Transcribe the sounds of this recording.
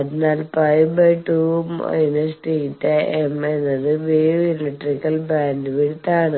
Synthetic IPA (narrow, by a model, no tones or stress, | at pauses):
ɐðinaːlpɐjbɐjʈuːmɐ̰jinɐsʈiːtːeemenːɐðɨʋiileʈrikːɐlbaːndɨʋiɽut̪ːaːɳɨ